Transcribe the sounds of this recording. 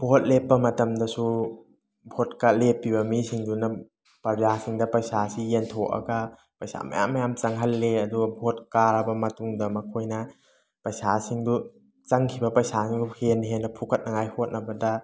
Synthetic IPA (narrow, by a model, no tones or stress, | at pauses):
bʱot̚lepːɐmɐtɐmdɐsu | bʱot̚kalepːibɐmisiŋdunɐ | pɐd͡ʒasiŋdɐpɾɐjsasijentʰoʔɐ̰ɡɐ | pɐjsa̰mɐ̰ja̰mːɐjamt͡ʃɐŋɦɐlːeɐduɡɐbʱot̚kaɾɐbɐmɐtuŋdɐmɐkʰojnɐ | pɾɐjsasiŋdu | t͡ʃɐŋkʰibɐpɐjsasiŋuhenɦenːɐpʰukʰɐt̚nɐŋajhot̚nɐbɐdɐ